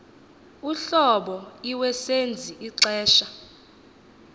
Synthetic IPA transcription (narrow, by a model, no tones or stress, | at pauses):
uɬɔɓɔiwɛsend͡zʱiʔiǀɛːʃa